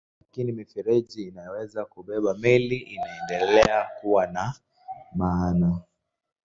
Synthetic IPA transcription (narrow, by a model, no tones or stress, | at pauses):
lakinimifɛɾɛʄiːnajɔwɛzakuɓɛɓamiliʔinaɛndɛlɛakuwana | maːna